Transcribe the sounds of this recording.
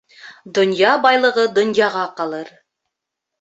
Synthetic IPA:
d̪ŏnjɑbɑjlˠɤ̆ʁɤd̪ŏnjɑʁɑqɑlˠɤɾ

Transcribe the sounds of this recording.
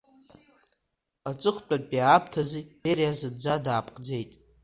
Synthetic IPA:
at͡sʼɨχʷt͡pʷʼarpʼjaːpʰtʰaziberijazɨdd͡zadaːpʼqʼd͡ze̞jtʼ

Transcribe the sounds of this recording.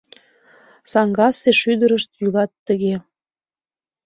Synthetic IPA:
sɑŋɡɑseʃyd̪əɾəʃt̪jyɣɑt̪ːəɣe

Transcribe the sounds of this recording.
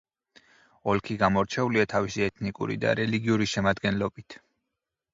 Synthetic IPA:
ɔlkʰiɡamɔɾt͡ʃʰɛuliat̪ʰavisiɛt̪ʰnikʼṵɾḭd̪a̰ɾɛliɡiuɾiʃɛmad̪ɡɛnlɔbit̪ʰ

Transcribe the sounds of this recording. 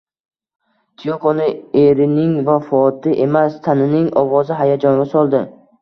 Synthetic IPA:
t̪ʰijokonɪe̞ɾɪnɪŋvafɒt̪ʰɪʔe̞mast̪ʰanɪnɪŋɒvɒzɪɦajad͡ʒɒnɡʲasɒlˠd̪ɪ

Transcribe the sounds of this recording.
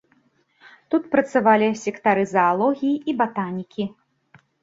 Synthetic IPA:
t̪ut̪pɾɐt̪savalʲisʲɛkt̪aɾɨzɐːlˠɔɣʲijiibat̪anʲikʲi

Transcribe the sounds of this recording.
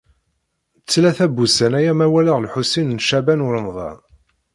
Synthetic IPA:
t͡sːlæθæbusænæjæmæwælaʁlħusinnʃæbænʊɾəmðˤɑ̰n

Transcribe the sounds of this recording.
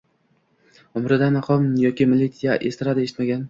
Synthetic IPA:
ʊmɾɪd̪anːɑqʰɒmjɒkʲɪmɪlit̪sijaʔest̪ɪɾad̪aeʃɪt̪maɡʲan

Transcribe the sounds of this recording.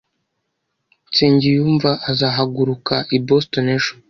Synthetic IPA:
t͡seːɲɟijuːɱvaʔazaːɦaɡuɾukaʔibostoneʃu̥

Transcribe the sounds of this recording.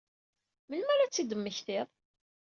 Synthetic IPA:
məlmæɾæt͡sːid̪əmːəçθɪðˤ

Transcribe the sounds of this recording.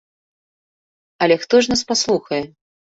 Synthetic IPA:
ɐlʲɛxt̪ɔʐnaspaslˠuxɐjɛ

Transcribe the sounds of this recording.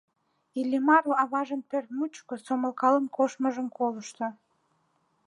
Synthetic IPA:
ilʲimɑɾoɑβɑʒənpørt̪mut͡ɕkosoməlkɑlənkoʃməʒəmkʰoləʃt̪o

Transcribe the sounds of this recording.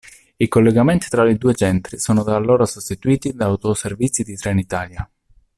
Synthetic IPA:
ikolːeɡament̪i̥t̪ɾalid̪uːet͡ʃɛnt̪ɾisoːnod̪alːoːɾasost̪it̪uiːt̪id̪aːwt̪oservit̪sid̪it̪ɾɛnit̪aːlja

